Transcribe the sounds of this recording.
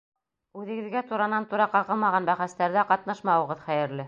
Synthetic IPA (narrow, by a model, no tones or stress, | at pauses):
ʉðɘ̆ɡɘ̆ðɡæt̪uɾɑnɑnt̪uɾɑqɑʁɤ̆lˠmɑʁɑnbæχæst̪æɾðæqɑt̪nɑʃmɑwɤ̆ʁɤðχæjɘ̆ɾlɘ